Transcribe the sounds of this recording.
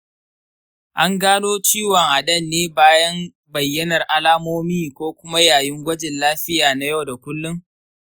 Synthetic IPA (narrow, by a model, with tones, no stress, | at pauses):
ʔa˦ŋɡaː˦noː˦t͡ʃiː˦wɔ˨ŋʔa˨ɗɐ˦˨nːeː˦baː˦jɐ˦m | bɐ˨jːɐ˦nɐ˨rʔa˦laː˦moː˦miː˦kʷoː˦kʷʊ˦ma˦jaː˨jɪ˦ŋɡʷɐ˦d͡ʒɪ˨nlaː˦ɸɪ˦jaː˨na˦jɐ˦wda˨kʷʊ˦lːʊ˦ŋ